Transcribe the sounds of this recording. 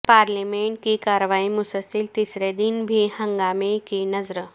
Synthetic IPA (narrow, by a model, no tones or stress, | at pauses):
paɾlimeɳʈkikaɾʋaimusəsilt̪isɾed̪inbʱiːhəŋɡamekinəzɾə